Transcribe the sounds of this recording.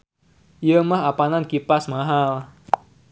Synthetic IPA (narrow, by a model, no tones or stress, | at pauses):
jəmaɦapanankipasmaɦal